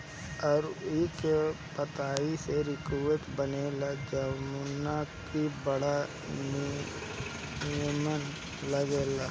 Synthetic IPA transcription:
ɔːɾɪkepət̪aːiseɾɪkuːəʈ̪bənelad͡ʒəmunakibəɽa | n | ɪəmən | ləɡeːlaː

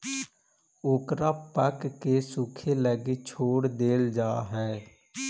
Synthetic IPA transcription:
oːkɾaːpəkːeːsʊkʰeləɡeːt͡ʃʰoːɽd̪eːld͡ʒaːɦɛː

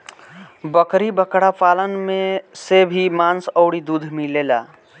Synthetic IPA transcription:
bəkɾibəkɽapʰaːlənmesebʱimaːnsɔʊɽid̪ud̪ʱmileːla̰

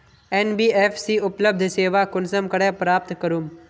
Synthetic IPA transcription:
eːnbiːeːfʰsiʊpləb̚d̪ʱseːʋakʊnsəmkəɽɛːpɾaːp̚t̪kəɾuːm

